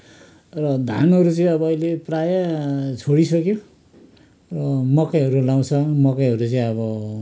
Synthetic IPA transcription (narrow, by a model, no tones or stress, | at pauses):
rʌd̪ʱa̰nɦʌɾut͡sʌĩʌbʌːjileprajat͡sʰoɽisʌkjo | rʌmʌkaɦʌɾulaw̃t͡sʰʌmʌkeɦʌɾut͡sʌĩʌβʌ